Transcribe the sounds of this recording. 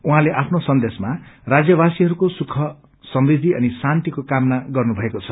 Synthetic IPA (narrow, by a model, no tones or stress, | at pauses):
uɦãleʔapʰnosʌnd̪esmarad͡zjʌbasiɦʌɾukosukʰʌ | sʌmrid̪ʱːiʌ̰nisant̪ikokamnaɡʌrnubʱʌekot͡sʰʌ